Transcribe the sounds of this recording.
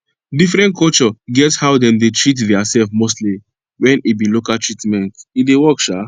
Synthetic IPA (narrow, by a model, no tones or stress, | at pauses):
difɹɛ̃nt̚kʰɔlt͡ʃɔɡɛthaʊdɛ̃mdetʰɹitdɛasɛlfmostli | wɛ̃nibilokaltɹitmɛ̃ntidewɔkʃa